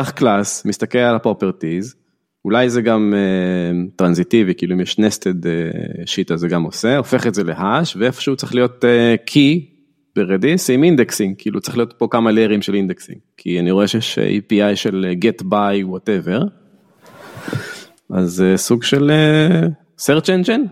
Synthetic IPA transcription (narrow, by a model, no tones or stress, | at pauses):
aχklasmist̪akelalapopeʁtiz | ulajzeɡamet̪ʁanzit̪ivikiːluimjeʃnestedḛʃit̪azeɡamo̞seo̞feχetzelehaʃveefo̥ʃeut͡seχlijo̞tekʰi | b̥eʁed̪isimind̪eksiŋɡkiiːlut͡se̥χlio̞tpo̞kamaleʁimʃelind̪eksḭŋ | kʰianiʁo̞eʃejeʃḭpiajʃeleɡetbajwoteveʁ | ʔazesuɡʃele | seʁt͡ʃent͡ʃen